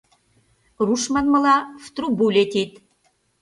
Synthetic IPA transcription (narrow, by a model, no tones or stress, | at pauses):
ruʃmɑnmɤ̆lɑft̪rubulʲet̪et̪